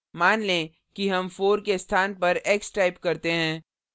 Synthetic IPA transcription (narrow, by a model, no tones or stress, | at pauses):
maːnlẽ | kiɦɐmfoːɾkest̪ʰaːnpɐɾeːksʈaːɪpkɐɾt̪eɦɛ̃ː